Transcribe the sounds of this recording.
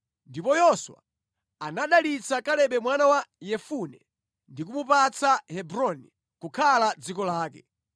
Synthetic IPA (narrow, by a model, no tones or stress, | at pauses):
ndipɔjɔswa̰ | anaɗalit͡sakalɛɓɛmwanawajɛfunɛ | ndikumupat͡sahɛbɾɔni | kukʰalad͡zikɔlaːkɛ̰